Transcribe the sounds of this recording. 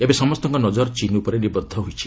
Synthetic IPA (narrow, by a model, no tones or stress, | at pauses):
ebesɔmɔst̪ɔŋkɔnɔd͡ʒɔɾt͡ʃinupɔɾenibɔd̪ʱːɔɦujt͡ʃʰi